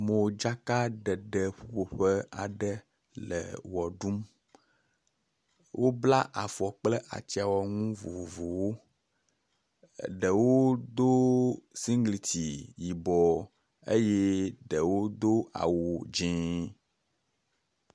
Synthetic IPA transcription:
mõ˨d͡ʒa˦ka˦ɖɛ˨ɖɛ˨ɸu˦ɸo˨ɸɛ˦a̰˨ɖɛ˦ | lɛ̰˨wɔ˨ɖu˦m | wʔo˦bla˦ʔa˨fɔ˨k͡plɛ˦ʔa̰˨t͡ʃi˦a˨wɔ˨ŋũ˦vo̰˨vo˨vo˨wo˦ | ɖɛ˨wo˦d̪o˦si˦ŋɡli˨t̪i˨ji˨bɔ˨ | e˦jɛ˦ɖɛ˨wo˦d̪o˦a̰˨wo˨d͡ʒĩ˨˦

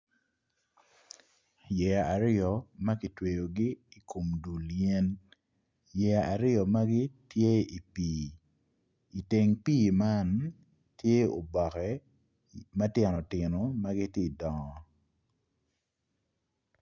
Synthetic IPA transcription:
jɛ˨a˨a˨ɾɪ˦ɔ˨ma˦kɪ˨twe˨jo˨ɡɪ˦i˨kʰo˨mdu˨lje˦n | jɛ˨a˨ʔa˨ɾɪ˦ɔ˨ma˦ɡɪ˦tje˦i˨piː˨ | i˨te˨ŋpiː˦ma˦n | tje˦o̰˨bɔ˨kɛ˦ | ma˦tjɛ˨nɔ˨tɪ˨no˨ma˦ɡɪ˦tje˦i˨dɔ˨ŋɔ˨

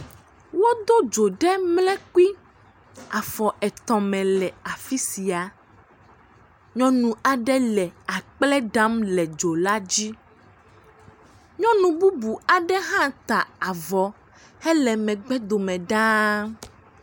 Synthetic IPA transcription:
wo˦d̪o˦d͡ʒo˨ɖɛ˦mlɛ̃˦ki˦ | a˨fɔ˨ʔɛ˨t̪ɔ̃˨mɛ̃˨lɛ˨a˨fi˦si˨a˨ | ɲɔ̃˦nũ˦a˨ɖɛ˦lɛ˨a˨k͡plɛ˦ɖã˦mlɛ˨d͡ʒo˨la˦d͡ʑi˦ | ɲɔ̃˦nũ˨bu˦bu˨a˨ɖɛ˦ɦã˦t̪a˨a˨vɔ˨ | hɛ˦lɛ˨mɛ̃˨ɡ͡bɛ˦d̪o˨mɛ̃˨ɖã˦

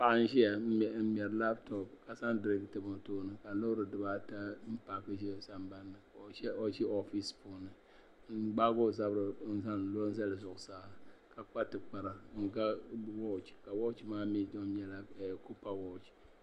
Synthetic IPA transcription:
pa˦ʔa˦n̩˦ʒi˦ja˨˦˨m̩˦m˨ɛ˨ɾla˦btɔ˨p̚ka˨sa˦ndɾi˦ktɨ˨mo˨toː˦nɨ˨ka˨lo˦ɾɨ˨dɨ˨ba˦ta˦m̩˦pa˨kɨ˦ʒɛ˦sa˨mba˦nːɨ˨˦o˦ʒɛ˦ɔ˦fi˦spuː˦nɨ˨˦ | ɡ͡ba˦ɡo˦˨za˦bɾɨ˨˦n̩˦za˦n˨˦lo˦n̩˦za˦lɨ˨zʊ˨ʔʊ˨saː˦˨ka˨k͡pa˦tɨ˨k͡pa˨ɾa˨˦ŋ˨ɡa˦wɔ˦˨t͡ʃi̥˨ka˨wɔ˦t͡ʃi˨maː˦mi˦do˦ɲɛ˦la˦˨ko˦pa˦wɔ˦˨t͡ʃi̥˨

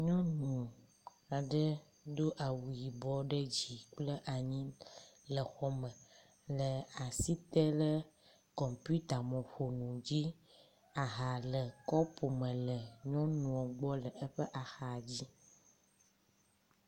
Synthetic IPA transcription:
ɲɔ̃˦nũ˨ | a˨ɖə˦ | ɖo˦ʔa˨wu˨ji˨bɔ˦ɖə˦d͡ʑi˨k͡plə˦ʔa˨ɲĩ˦lə˨xɔ˦mə̃˨ | lə˨a˨si˦t̪ɛ˦lə˦ | kɔ˨mpu˦t̪a˨mɔ̃˨ɸo˨nũ˨d͡ʑi˦ | a˨ɦa˨lə˨kɔ˦pʰo˨mə̃˨lə˨ɲɔ̃˦nũ˨ɔ˨ɡ͡bɔ˦lə˨ə˦ɸə˦ʔa˨xa˨d͡ʑi˦

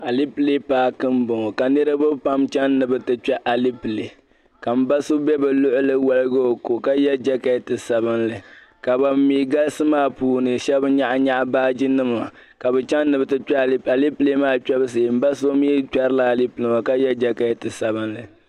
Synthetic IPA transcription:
a˨li˦pɨ˦li˦paː˨˦kɨ˦m˦bʊ˨ŋo˨ka˨nɨ˦ɾɨ˦bɨ˦pa˦mt͡ʃɛ˦nː˦ɨ˨bɨ˦tɨ˦t͡ʃɛ˦ʔa˨li˦pɨ˨le˨ | ka˨m̩˦ba˦so˦bɛ˦bɨ˨lʊ˦ʔʊ˦lɨ˦wa˦lɨ˦ɡa˦o˨ko˨ka˦jɛ˦d͡ʒɛ˦ka˦tɨ˨sa˨βɨ˦nlɨ˨ | ka˨ba˨m˦miː˦ɡa˦lsɨ˦maː˦˨puː˦nɨ˨ʃɛ˦bɲa˦ʔɲa˦ʔbaː˦d͡ʒi˦nɨ˦ma˨ | ka˨bɛ˨t͡ʃɛ˦nː˦ɨ˨bɨ˦tɨ˦t͡ʃɛ˦˨˦a˨li˦ple˦maː˦t͡ʃɛ˦bɨ˦s̬e˨m̩˦ba˦so˦miː˦t͡ʃɛ˦ɾɨ˦la˨a˨li˦pɨ˨lɨ˨ŋa˨ka˦jɛ˦d͡ʒɛ˦ka˦tɨ˨sa˨bɨ˦nlɨ˨

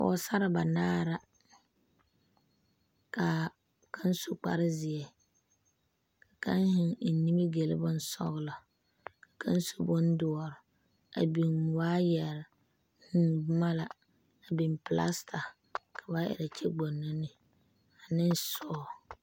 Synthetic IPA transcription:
ɔ̰˨˦sa˦ɾɪ˨ba˨naː˦ɾa˦ | ka˨ | ka˦n˦so˨k͡pa̰˨ɾɪ˦zɪ˨ɛ˨ | ka˨ka˦ŋ˦hɪ˨ŋ̩˨ni˦mi˦ɡe˨lɪ̰˦bʊ˦n˦sɔ̰˦ɣlɔ˨ | ka˨kʰa˦n˦so˦bʊ˦n˦dʊ˨ɔ˨ɾɪ˨ | a̰˨bi˨ŋwaː˦jɛ˨ɾɪ˨ | hʊ˦ma˦la˨ | a˨bi˨mpɪ˨la̰˦stʰa˨ | kʰa˨ba˦ʔɛ̰˨ɾa˨t͡ʃɛ˦ɡ͡bo˨nːɔ˦nɪ˨ | a˨nɪ̃˦n˦sɔ˦˨

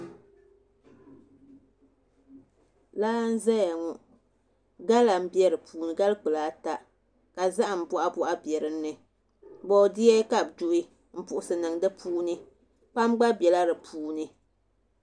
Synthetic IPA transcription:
laː˦n̩˦zɛ˦ja˨ŋɔ˦ | ɡa˦la˨m̩˦bjɛ˦ɾɨ˨puː˨nɨ˨ɡa˦lk͡pɨ˨laː˨˦ta˨ | ka˨za˦ʔa˨m̩˨bɔ˦ʔa˦bɔ˦ʔa˦bjɛ˨ɾɨ˦nːɨ˨ | bɔ˨di˦ɛ˦ka˦˨b̚d͡ʒu˦˨ʔi˦ | m̩˦pʊ˨ʔʊ˦sɨ˨nɨ˨ŋdɨ˦pʰuː˦nɨ˦ | pa˦mɡ͡ba˦bɛ˨la˦ɾɨ˨pʰuː˦nɨ˦

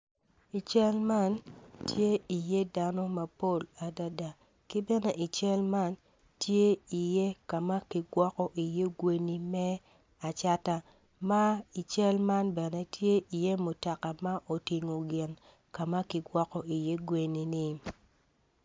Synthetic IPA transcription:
i˨t͡ʃɛ˦lma˦˨ntʰje˦i˨je˦da˦nɔ˦ma˨po˦˨la˨da˦da˨ | kɪ˦bɛ˦nɛ˦ʔi˨t͡ʃɛ˦lma˦n | tje˦i˨je˦ka˨ma˦kɪ˨ɡwɔ˦kɔ˦ʔi˨je˦ɡwe˦ni˦mɛ˦ | a˨t͡ʃa˦ta˦ | ma˦i˨t͡ʃɛ˦lma˦nbɛ˨nɛ˦tje˦ʔi˨je˦mo˨ta˨ka˨ma˦ʔo˨ti˨ŋo˨ɡɪ˨n | ka˨ma˦kɪ˨ɡwɔ˦kɔ˨i˨je˦ɡwe˨ni˨nɪ˦

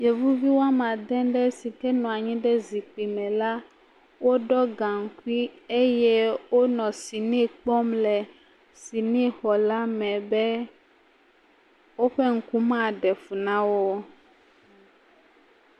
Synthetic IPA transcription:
jɛ˨vu˦vi˦wo˦a˦mã˨d̪ɛ̃˦ɖɛ˦si˨kɛ˦nɔ̃˨a˨ɲĩ˦ɖɛ˦zi˨k͡pi˨mɛ̃˨la˦ | wo˦ɖɔ˦ɡã˨ŋ̩˨˦ku˦i˦e˦jɛ˦wo˦nɔ̃˨si˨nĩ˦˨k͡pɔ˦mlɛ˨ | si˨nĩ˦xɔ˨la˦mɛ̃˨bɛ˦ | wo˦ɸɛ˦ŋ̩˨ku˦mã˦˨ɖɛ˨fu˨nã˦wo˦

